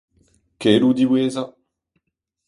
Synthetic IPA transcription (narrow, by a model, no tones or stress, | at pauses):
kelud̪iweːza